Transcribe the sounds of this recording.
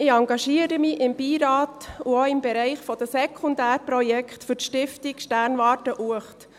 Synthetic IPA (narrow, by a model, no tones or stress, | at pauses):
ɪɑŋɡɑʃiəɾəmɪʔɪmbiːɾɑːtuoɪmbɛɾɛɪχfɔd̥̪əsɛkʰχʊnd̪æːɾpɾɔjɛkχtfʏɾtʃtɪftikʃtæɾnʋɑːtəʔuəχt